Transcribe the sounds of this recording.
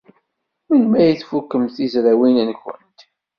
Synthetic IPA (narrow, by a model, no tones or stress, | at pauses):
winmæjiθfukːəmθizɾæwinænçə̰nt̪